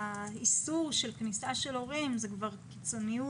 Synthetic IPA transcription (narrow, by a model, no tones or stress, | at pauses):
aisuʁʃe̞lknisaʃe̞lo̞ʁimzekvaʁkit͡so̞niju